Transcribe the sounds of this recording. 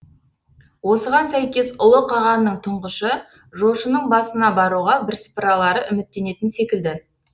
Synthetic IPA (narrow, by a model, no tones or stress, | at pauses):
wo̞səʁɑnsæjkʲe̞sʊlˠəqʰɑʁɑnnːəɴt̪ʰʊɴʁəʃə | ʒoʃənəɴbɑsənɑbɑɾuʁɑbɪɾsə̥pɾɑlˠɑɾəʔʏmɪt̪ːe̞ne̞t̪ɪnse̞kʲɪld̪ɪ